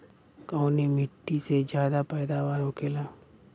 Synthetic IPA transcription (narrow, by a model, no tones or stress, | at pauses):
kaʊnimɪʈːised͡ʒjaːd̪apɛːd̪aʋaːɾɦokeːlaː